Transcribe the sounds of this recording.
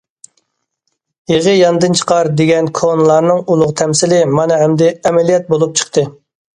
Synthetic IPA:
jeʁəjɑnd̪ɨnt͡ʃʰə̥qɑɾd̪eɡʲɛnkʰonlˠɑɾnɨŋulˠʊʁt̪ʰɛmsɪlɪmɑnɨɦɛmd̪ɛɛmɛlijɛt̪̚bolˠup̚t͡ʃʰə̥χt̪ʰɨ

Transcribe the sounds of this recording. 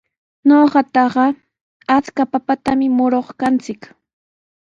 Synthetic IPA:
ɲoɢɑt̪ɑɢɑ | at͡skapapat̪amɪmʊɾoχkant͡sɪk

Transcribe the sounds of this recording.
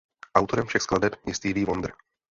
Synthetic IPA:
ʔawt̪oɾɛmfʃɛxsklˠadɛpɲɛst̪iːviːvond̪r̩

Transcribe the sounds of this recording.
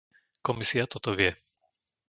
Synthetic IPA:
kɔmisiat̪ɔt̪ɔʋɪɛ

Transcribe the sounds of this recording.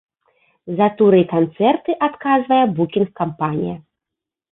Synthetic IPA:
zat̪uɾɨkant̪sɛrt̪ɨʔat̪kazvɐjɛbukʲinxkːampanʲḭjɐ̰

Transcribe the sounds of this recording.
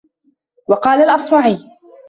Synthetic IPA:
wɑqɑːlalʔɑsˤwɑʕiː

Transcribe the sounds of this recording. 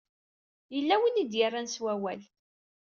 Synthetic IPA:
jəlːæwinid̪jarˤːanswæwæl

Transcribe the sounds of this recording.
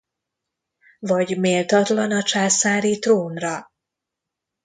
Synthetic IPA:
vɒɟmeːlt̪ɒt̪lɒnɒt͡ʃaːsaːɾit̪roːnrɒ

